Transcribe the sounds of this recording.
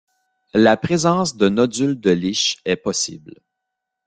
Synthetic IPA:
lapʁezɑ̃sd̪ənɔd͡zyld̪əliʃɛpɔsḭbl

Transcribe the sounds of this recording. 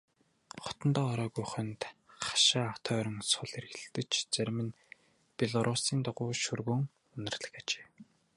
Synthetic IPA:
χɔ̥t̪ɞ̆nt̪ɔːɾɔːɣujχɵ̆nt̪χḁʃaːawt̪ʰœːɾɞ̆ŋsʊɮerɣɘ̆ɮt̪ɘ̆t͡ɕt͡sæɾʲmɘ̆n | pʲeɮɔɾʔʊsiːnt̪ʊʁʊːʃurɣɵ̆ŋ | ɵnɪ̆rɮə̆xat͡ɕe̥ː

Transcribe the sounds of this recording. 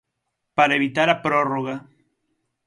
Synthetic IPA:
paɾaeβit̪aɾapɾoroɣa

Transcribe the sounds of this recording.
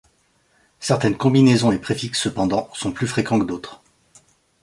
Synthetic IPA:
sɛʁt̪ɛnkɔ̃binezɔ̃epχefiksːəpɑ̃d̪ɑ̃sɔ̃plyfχekɑ̃kəd̪ot̪χ

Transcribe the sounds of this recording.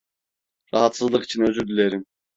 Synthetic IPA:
ɾɑɦɑt̪sɯzlˠɯqi̥t͡ʃʰinøzyɾd̪ylʲeɾim

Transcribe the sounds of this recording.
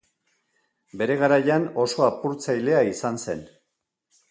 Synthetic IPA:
be̞ɾe̞ɣ̞aɾajano̞so̞apuɾt͡sajle̞aisanse̞̰n

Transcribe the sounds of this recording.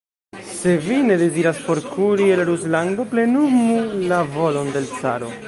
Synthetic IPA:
se̞vine̞de̞ziɾaspo̞ɾkuɾielɾuslaŋɡo̞ple̞numulavo̞lo̞nde̞lt͡sa̰ɾo̞̰

